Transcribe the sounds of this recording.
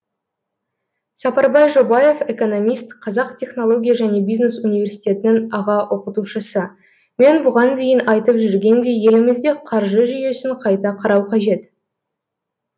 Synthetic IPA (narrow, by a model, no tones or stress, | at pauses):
sɑpɑɾbɑjʒo̞bɑje̞fe̞ko̞no̞mʲijst̪qʰɑzɑqt̪ʰʲe̞χno̞lˠo̞ɡʲijaʒæne̞bʲijzne̞sunʲijvʲe̞rsijt̪ʲe̞t̪ɪnɪŋɑʁɑwʔo̞qət̪uʃəsə | me̞nbʊʁɑnd̪e̞jɪnɑjt̪əpʒʏɾɡʲe̞nd̪e̞je̞lɪmɪzd̪e̞qʰɑɾʒəʒʏje̞sɪɴqʰɑjt̪ɑqʰɑɾɑwqʰɑʒe̞t̪